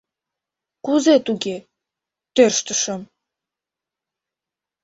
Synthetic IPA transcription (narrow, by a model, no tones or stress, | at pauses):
kuzet̪uɡe | t̪ørʃt̪əʃə̆m